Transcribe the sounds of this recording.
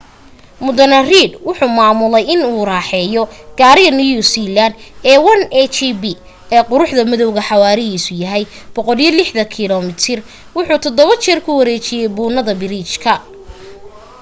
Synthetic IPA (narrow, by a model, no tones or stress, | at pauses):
mʊd̪ɐnɐriːd̪wʊħuːmaːmʊlɛjɪnuːraːħɛːjɔɡ̥aːɾɪɣɐnujuːsiland̪ɛːwɐnɛt͡ʃibi | ɛːqʊɾʊħðɐmɪðɔwɣɐħɑwaːɾɪɦiːsʊjɐɦɛj | b̥ɔqɔljɐlɪħd̪ɐkʰɪlɔmɪt̪ʰɪr | wʊħuːt̪ʰɔd̪ɔβɐt͡ʃɛrkʰʊwɐɾɛːt͡ʃɪjɛjbuːnɐðɐbɪɾiːt͡ʃkʰɐ